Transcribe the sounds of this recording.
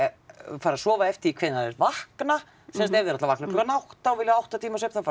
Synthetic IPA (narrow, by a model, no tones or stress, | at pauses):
faɾasɔːvaɛft̪ɪikʰvɪːnaðɛ̰svahkna | sɛnst̪ɛvðɪɾat̪lavahknalɔkanawht̪aɔvɪljaawht̪at̪ʰiːmasœp̪ʰaf